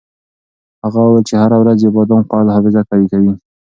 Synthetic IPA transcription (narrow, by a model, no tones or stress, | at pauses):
haɣawawelt͡ʃehaɾawɾazjəbɑd̪omqɑlhɑfɪzakɑɾikawi